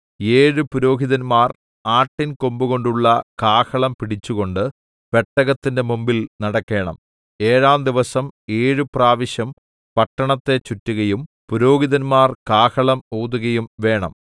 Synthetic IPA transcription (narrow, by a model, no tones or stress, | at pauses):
eːɻɨpuɾo̞ːɦiðɐnmaːr | aːʈːinkombuɣo̞ɳɖuɭːɐkaːkɐɭɐmpiɽit͡ɕːuɣo̞ɳɖɨ | ʋe̞ʈːɐɣɐt̪ːinde̞mumbilnɐɽɐkːe̞ːɳɐ̰m | e̞ːɻaːmd̪iʋɐsɐme̞ːɻɨpraːʋiɕjɐm | pɐʈːɐɳɐt̪ːe̞t͡ɕutːuɣɐjum | puɾo̞ːɣiðɐnmaːrkaːkɐɭɐmoːðuɣɐjumʋe̞ːɳɐm